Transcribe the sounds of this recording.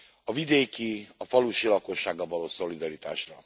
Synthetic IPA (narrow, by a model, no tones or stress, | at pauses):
ɒvid̪eːkiɒfɒluʃilɒko̞ʃːaːɡːɒvɒloːso̞lid̪ɒɾit̪a̰ːʃrɒ